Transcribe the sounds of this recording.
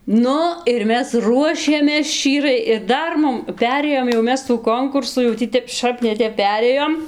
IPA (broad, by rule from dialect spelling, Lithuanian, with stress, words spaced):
ˈnʊ ɪr ˈmʲɛs ˈruɔʃʲeːmʲeːs ˈʃʲt͡ʃʲiːrɐɪ ɪr ˈdɐr ˈmʊm ˈpʲæːrʲeːjoːm jɛʊ ˈmʲɛs tuː ˈkoːŋkʊrsuː jɛʊ ˈtʲiː ˈtʲɛp ˈʃɐp nʲɛ ˈtʲɛp ˈpʲæːrʲeːjoːm